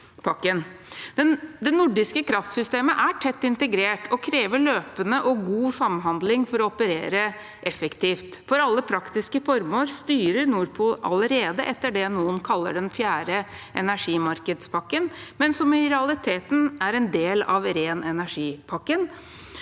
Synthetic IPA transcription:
pʰɑkːənd̪ɛd̪ɛnʊɖɪskəkʰɾɑft̪sʏst̪eːməʔæʈʰɛt̪ːɪnt̪əɡɾeːʈʰɔkʰɾeːʋəɭøːpənəʔɔɡuːsɑmɦɑnd̪lɪŋfɔɾɔɔpəɾeːɾə | ʔɛfəkt̪ʰiːft̪fɔɾɑlːəpʰɾɑkt̪ɪskəfɔɾmoːlst̪yːɾəɳuːɾpʰʊlʔɑ̰ləɾeːd̪əʔɛt̪ːəɖɛnuːənkʰɑlːə̰ɖɛnfjæːɾəʔɛnæʂiːmɑɾkəd̪spʰɑkːənmɛnsɔmɪɾɛɑlɪt̪ʰeːt̪n̩æɾɛnd̪eːlɑ̰ʋɾeːnɛnæʂiːpʰɑkːən

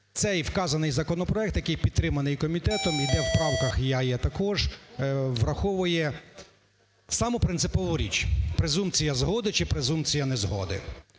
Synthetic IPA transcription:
t̪sɛjwkɑzɐnɪjzɐkɔnɔpɾɔɛk̚t̪jɐkɪjpʲid̪̚t̪ːɾɪmɐnɪjkɔmʲit̪ɛt̪ɔmid̪ɛwpɾɑwkɐxjajɛt̪ɐkɔʒ | ʋrɐxɔʋʊjɛ | sɑmɔpɾɪnsɪpɔʋʊɾʲḭt͡ʃpɾezumpt͡sʲijɐzɦɔd̪ɪt͡ʃɪpɾezumpt͡sʲijɐnezɦɔ̰d̪ɪ̰

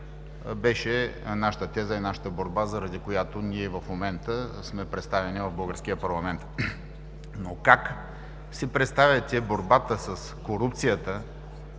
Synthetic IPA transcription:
bɛʃɛnaʃə̥t̪ət̪ɛzəinaʃə̥t̪əboɾbazɐɾɐd̪ikojat̪oniɛvɐfmomɛnt̪əsmɛpɾɛt̪st̪avɛnivɐvbɤlˠɡəɾsk̟ijəpɐɾlˠɐmɛnt̪ | nokak | sipɾɛt̪st̪avʲjɐt̪ʲɛboɾbat̪əsəskoɾupt̪sijət̪ə

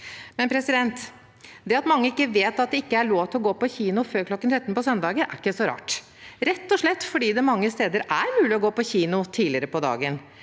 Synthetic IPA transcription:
mɛnpʰɾɛsɪd̪ɛnt̪ | d̪ɛɑt̪mɑŋːəɪkːəʋeːt̪ɑt̪̚d̪ɛɪkːəæɾɭoːʋt̪ʰɪlɔɡoːpɔçiːnʊføːɾkʰlɔkːənt̪ʰɾɛt̪npɔsœnd̪ɑːɡəɾʔæ̰ɾɪkːəsɔɾɑ̰ːʈ | ɾɛt̪ːɔʂɭɛt̪ːfɔɖiːd̪ɛmɑŋːəst̪eːd̪əɾæɾmʉːlɪɔɡoːpɔçiːnʊt̪ʰiːlɪəɾəpɔd̪ɑ̰ːɡən

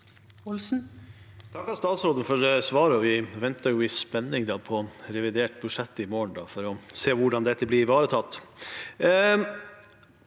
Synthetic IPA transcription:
ɔlsn̩ | t̪ʰɑkːɑlst̪ɑːt̪sɾoːd̪əfɔɾsʋɑːɾɔʋɪʋɛnt̪ɑjʊʋɪspɛnːɪŋd̪ɑːpʰɔɾɛʋɪd̪eːʈbʉʂɛt̪ːɪmoːɳ̩d̪ɑ̰ːfɔɾɔseːʋʊɖɑnd̪ɛt̪ːəblɪɾɪʋɑːɾət̪ʰɑt̪ː

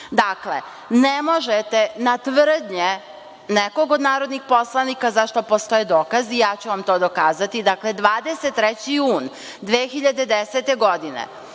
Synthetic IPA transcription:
d̪aklḛ | nemo̞ʒet̪enat̪ʋr̩d̪ɲe | neko̞ɡod̪naːɾo̞d̪nixpo̞slˠanikazaʃt̪o̞po̞st̪o̞jed̪oːkazijaːt͡ɕuʋamt̪oːd̪o̞kaːzat̪id̪akle̞d̪ʋaːd̪eset̪ːɾɛt͡ɕijuːn | d̪ʋeːxiʎad̪e̞d̪eset̪e̞ɡo̞d̪inḛ

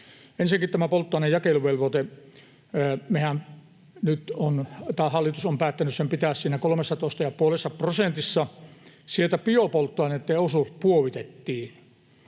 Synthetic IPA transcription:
ensiækit̪t̪æmæpolt̪ːˑoɑˑinejjɑkeluʋelʋot̪e | mehæn | nyt̪ont̪ɑːhɑlːˑit̪usompæːt̪ːænyssempit̪æːssiːnækolomesːɑt̪oˑist̪ɑjɑpuolesːɑprosent̪isːɑsielt̪æpiopolt̪ːoɑˑnenet̪ːeosupuoʋit̪et̪ːiː

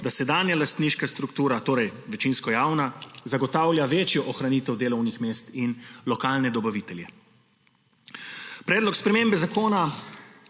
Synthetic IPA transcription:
d̪asɛd̪aːnjalast̪niːʃkast̪ɾukt̪uːɾat̪oːɾɛjʋɛt͡ʃinskɔjaːwnazaɡɔt̪aːwljaʋeːt͡ʃjɔʔɔxɾaniːt̪ɛwd̪eːlɔwnixmeːst̪inlɔkaːlnɛd̪ɔbaʋiːt̪ɛljɛ | pɾɛːd̪lɔkspɾɛmeːmbɛzakoːna

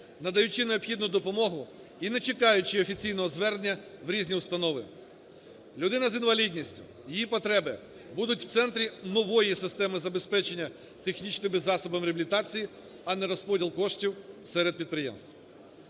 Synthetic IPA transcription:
nɐd̪ɐjʊt͡ʃineɔpxʲid̪nʊd̪ɔpɔmɔɦʊ | inɛt͡ʃekɑjʊt͡ʃɪɔfʲit͡sʲijnɔɦɔzʋɛrnʲɐʋɾʲizʲnʲiʊst̪ɐnɔʋɪ | lʲʊd̪ɪnɐzinʋɐlʲidʲnʲisʲtʲʊ̥̰ | jijipɔt̪ɾɛbɪ | bud̪ʊtʲw̥t̪sɛnt̪ɾʲinɔʋɔjisɪst̪ɛmɪzɐbespɛt͡ʃenʲːɐ | t̪exnʲit͡ʃnɪmbɪzːɑsɔbɐmɾʲɪɐbʲlʲɪt̪ɑt͡sʲiji | ɐnɛɾɔspɔdʲilˠkɔʃtʲiwsɛɾed̪̚pʲid̪̚pɾɪjɛ̰mst̪ʋ

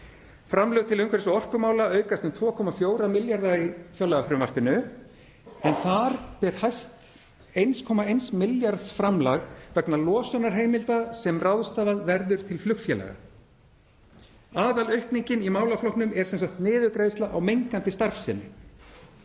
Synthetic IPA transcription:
fɾamlœːɣt̪ʰɪlʏmkʰvɛɾɪsɔɔr̥kʏmaːwlaœːɥkast̪ʏmt̪ʰvɔːkʰɔːmafjoːwɾamɪljaɾðaifjœlːaɣafɾʏmvar̥pʏnːʏ | ɛnθaɾpɛɾ̥hajst̪ | ejnskʰɔːmaejnsmɪljaɾðsfɾamlaɣvɛknalɔːsœnaɾ̥ɦeːjmɪlt̪asɛmrawðst̪aːvaðvɛɾðʏɾ̥t̪ʰɪlflʏkt̪fjɛlɛ̰ɣa̰ | aːðalœɥhpniɲcɪnimaːwlaflɔhknʏmɛɾ̥sɛnsahkt̪nɪːðʏkɾeːjst̪laʔawmejŋkant̪ɪst̪aɾfsɪnːɪ̰

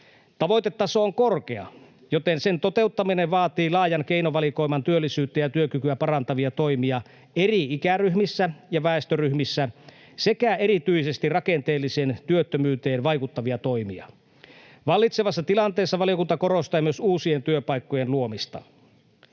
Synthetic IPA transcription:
t̪ɑʋo̞jt̪et̪ːɑsooŋko̞rk̟eɑ̰ | jot̪ense̞nt̪o̞t̪e̞ut̪ːɑmineʋɑːt̪iːlɑːjɑnke̞inoʋɑliko̞imɑnt̪yølːisyːt̪ˑːejɑt̪yøkykyæpɑrɑnt̪ɑʋiɑt̪o̞imiɑ | eriikæryhmisːæjɑʋæˑest̪øryhmisːæ | se̞kæe̞ɾit̪yise̞st̪irɑke̞nt̪eːlːiseːnt̪yøt̪ːømyːt̪eːnʋɑikut̪ːɑʋiɑt̪o̞imḭɑ̰ | ʋɑlːit̪seʋɑsːɑt̪ilɑnt̪eːsːɑʋɑlijokunt̪ɑko̞ɾost̪ɑːmyøsuːsient̪yøpɑikːojenluo̞mist̪ɑ̰

